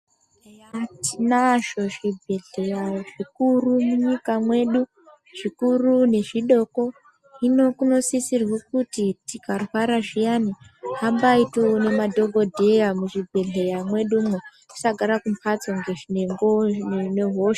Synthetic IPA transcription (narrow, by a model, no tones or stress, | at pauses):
atinaʒo̞ʐibʱe̞ɮe̞jaʐikurumuɲikamwe̞ɗu | ʐ̥ikurune̞ʐiɗo̞ko̞ | ino̞kuno̞sisirwekutitikarwaɾaʐijaniɦambaitone̞madʱo̞ɡʱo̞dʱe̞jamuʐibʱe̞ɮe̞jamwe̞ɗumwe̥ | i̥saɡʱaɾakumpʰat͡soŋɡe̞ʐine̞ŋɡone̞ɦoʃ